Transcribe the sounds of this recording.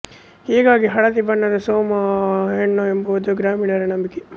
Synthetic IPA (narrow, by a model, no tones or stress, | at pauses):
heːɡaːɡiɦɐɽɐt̪ibɐɳːɐɾɐsoːmɐɦeɳːoembɐod̪uɡɾaːmiːɽaɾenɐmbikːe